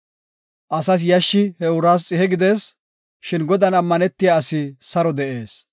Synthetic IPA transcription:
ʔɐsɐs̬jɐʃːɪhɛʊɾaːs̬t͡sʼɪhɛɡɪd̪es | ʃɪnɡɔd̪ɐnɐmːɐnɛt̪ːɪjaɐsɪsɐɾɔd̪ɛʔe̞ːs

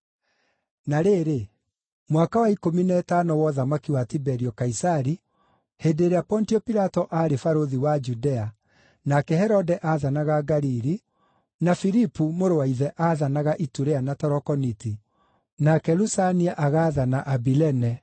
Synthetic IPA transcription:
naɾeːɾe | mwakawaikominɛtanɔwɔðamakiwatibɛɾiɔkaisaɾi | hedeɾeapɔntiɔpiɾatɔʔaːɾefaɾoðiwad͡ʒudɛa | nakɛhɛɾɔdɛʔaːðanaɣaɡaɾiɾi | nafiɾipumoɾowaiðɛʔaðanaɣaʔituɾɛanatɔɾɔkɔniti | nakɛɾusaniaʔaɣaðanaʔabilɛnɛ

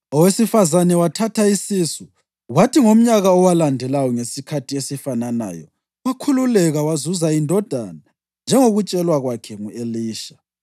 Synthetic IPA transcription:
ɔwesifazanɛwatʰatʰaisisu | watiŋom̩ɲaɣaɔwalandʱɛlajɔŋesikʰatʰiesifanana̰ːjɔ̰ | wakʰululɛɣawazuzaindʱɔd̥ʱa̰na | nd͡ʒʱɛŋoɣut͡ʃʼɛlwaɣwakʰɛŋueliːʃa

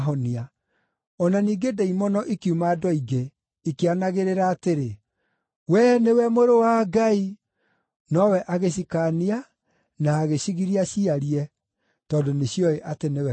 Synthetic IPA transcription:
ɦɔnia | ɔnaniːɡedɛimɔnɔʔekiumaːdɔiɡe | ikeanaɣeɾeɾaːteɾe | wɛnewɛmoɾowaɡai | nɔwɛʔaɣeɕ̬ikania | naːɣeɕiɣiɾiaɕiaɾiɛ | tɔːndoneɕiɔeʔatenewɛ

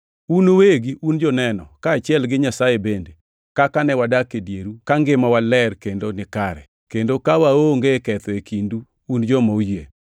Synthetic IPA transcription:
unoweɡiund͡ʒɔnɛnɔkaːt͡ʃɪɛlɡɪɲasajebende | kakanɛwadakedjeɾukaŋɡɪmɔwalɛrkendonɪkaɾɛ | kendokawaoŋɡekɛt̪ɔekʰinduː | nd͡ʒɔmoujje

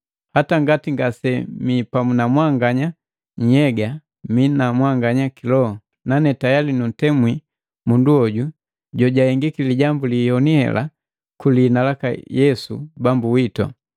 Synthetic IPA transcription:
hataŋɡatiŋɡasɛmipamunamwaŋɡaɲa | ɲ̩ɛɡa | minamwaŋɡaɲakilɔhɔ | nanɛtajalinun̩tɛmwi | munduɔɟu | ɟɔɟahɛŋɡikiliɟambulihɔnihɛ̰la̰ | kulinalaka̰jɛsṵbambuwitɔ̰

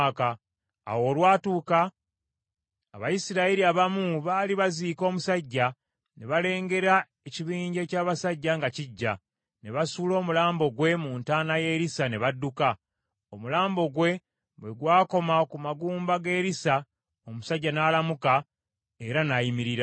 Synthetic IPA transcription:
ka | a̰wo̞ːlwaːtuːka | βajisiɾaiɾiaβamuβaːliβaziːko̞ːmusaɟːa | ne̞βale̞ːŋɡe̞ɾa | eciβiːɲɟe̞caːβasaɟːaŋɡaciɟːa | ne̞βasuːlo̞ːmulaːmbo̞ɡwe̞muntaːnaje̞ːɾisane̞βadːuka | o̞mulaːmbo̞ɡwe̞ | βwe̞ɡwaːko̞makumaɡuːmbaɡe̞ːɾisa | omusaɟːanaːlamuka | e̞ɾanajimiɾiɾa

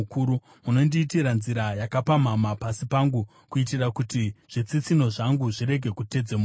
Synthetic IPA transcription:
kuːɾu | muno̞ndiːtiɾanziɾajakapamamapasipaŋɡu | kuitirakutiʐ̥it͡sit͡sino̞ʐaŋɡuʐiɾe̞ɡʱe̞kute̞d͡zemu

